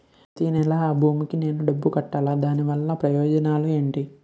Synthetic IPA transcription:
t̪iːnɛlaːbʱuːmikine̞ːnuɖɐbːukɐʈːaːlaːd̪aːniʋɐlːɐpɾɐjɔːd͡ʒɐnaːlue̞ːɳʈi

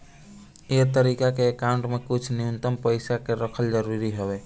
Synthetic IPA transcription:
et̪əɾiːkakeːkaːʊ̃ɳʈmẽkʊt͡ʃʰnɪʊnt̪əmpəɪsakeɾəkʰəld͡ʒəɾuːɾiɦoeː

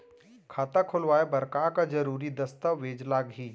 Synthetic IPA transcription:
kʰaːt̪akʰʊlʋaːebɐɾkaːkad͡ʒɐɾuːɾid̪ɐst̪aʋeːd͡ʒlaːɡɦiː

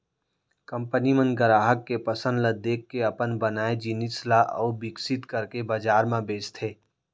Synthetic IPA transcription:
kəmpənimə̃nɡəɾaːɦəkːepəsə̃nd̪ləd̪eːkʰːeɐpənbənaːed͡ʒinislaʔɔ̰ːbɪksɪt̪kəɾkebəd͡ʒaːɾmãbeːst̪ʰeː

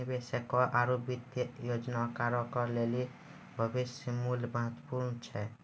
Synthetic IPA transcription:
besekɔʔaɾobit̪jjod͡ʒnakaɾɔkɔɾleli | bʱəbisjəmulməɦət̪puɾnt͡ʃʰɛ

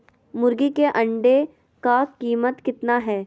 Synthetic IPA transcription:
mʊɾɡikeʔɐ̃ɳɖe | kakiːmət̪kɪt̪naɦɛː

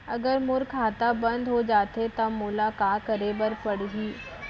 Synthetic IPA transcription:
ɐɡəɾmʊɾkʰaːt̪abɐ̃nd̪ʱɦod͡ʒaːt̪et̪amʊlakaːkəɾebəɾpɐɽɦiː

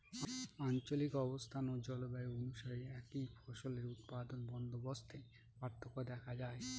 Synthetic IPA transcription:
ant͡ɕolikɔbost̪ʰanod͡ʑɔlobaeonuʃaɾeɛkifʰɔʃoleɾut̪pad̪onbɔnd̪ʱobost̪ʰe | paɾt̪ʰːokod̪ɛkʰad͡ʑae

